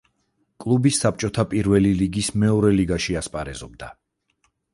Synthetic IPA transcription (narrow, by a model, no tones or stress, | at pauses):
kʼlˠubisːap̚t͡ʃʼɔt̪ʰapʼiɾvɛliliɡismɛɔɾɛliɡaʃiaspʼaɾɛ̰zɔb̚d̪a